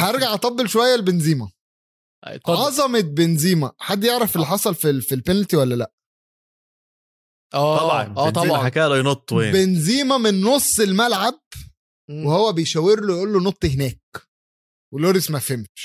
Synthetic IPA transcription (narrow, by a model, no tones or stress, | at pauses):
ħæjeɾɡaʕʔɑt̪ˤɑbːelʃowæjːælbenziːmæ̰ | ʕɑzˤɑmet̪̚benziːmæħad̪ːjeʕɾæfelːiħɑsˤɑlfifilpænælt̪iwælːælæʔ | ʔæːɑʕɑ̰nʔæːɑbʕɑħakæːlæjnot̪ˤːwebenziːmæmenːosˤːelmælʕab̚ | wehowːæbejʃæwːeɾlojʔuːlːonot̪ˤːhenæːk̚ | weloːɾismæfemt̪